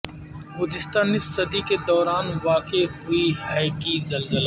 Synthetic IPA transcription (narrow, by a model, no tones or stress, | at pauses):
bʊd̪ɪst̪aːnisɐd̪iked̪ɔːɾaːnʋaːkehʊihɛːkizɐlzəla